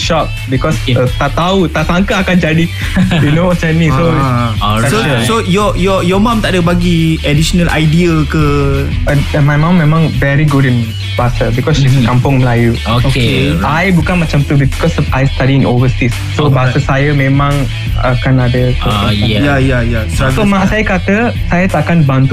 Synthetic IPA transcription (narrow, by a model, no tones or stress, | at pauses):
ʃɔk̚bikɔsət̪aʔt̪aut̪aʔsaŋkaːkand͡ʒadi | junowɔsanĩso | asosojɔjɔjɔmãmt̪aʔdəbaɡiɛdiʃonəlʔa̰jdiəkə | əmajmãmːẽmãŋvɛɹiɡudĩn | basəbikɔsiskãmpɔ̃ŋmlajuokokeajbukãnmat͡ʃãmt̪ubikɔsajst̪adiĩnovəst̪isːobasəsajəmẽmãŋ | a̰kãnadəkoããjajajassomaʔsajəkat̪əsajət̪akanbãnt̪u